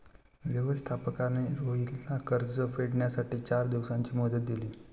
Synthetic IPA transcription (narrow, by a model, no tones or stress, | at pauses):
ʋjəʋəst̪ʰapəkaneɾoɦilsakəɾd͡zəfeɽɳjasaʈiːt͡ɕaɾd̪iʋsaɲt͡ɕiːmɔd̪ət̪̚d̪iliː